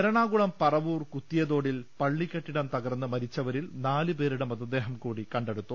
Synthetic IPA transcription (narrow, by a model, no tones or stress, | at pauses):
eɾɐɳaːɡuɭɐmpɐrɐʋuːrkut̪ːijɐðo̞ːɽilpɐɭːikʲːɐʈːiɽɐmt̪ɐɣɐrnːɨmɐɾit͡ɕːɐʋɐɾilnaːlɨpe̞ːɾuɽemɐd̪ɐd̪ːe̞ːɦɐmkuːɽikɐɳɖeɽut̪ːu